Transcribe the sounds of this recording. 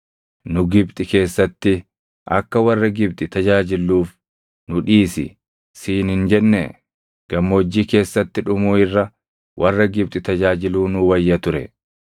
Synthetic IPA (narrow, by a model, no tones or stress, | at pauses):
nʊɡɪbt̪ʼɪke̞ːsːɐt̪ːɪ | ʔɐ̰kːɐwɐrːɐɡɪb̚t̪ʼɪt̪ɐd͡ʒaːd͡ʒɪlːuːf | nʊᶑiːsɪ̰ | siːnhɪnd͡ʒɛnːɛ | ɡ̥ɐmːoːd͡ʒːiːke̞ːsːɐt̪ːɪᶑʊmuːɪrːɐ | wʔɐrːɐɡɪb̚t̪ʼɪt̪ɐd͡ʒaːd͡ʒɪluːnʊwɐjːɐt̪ʊɾɛ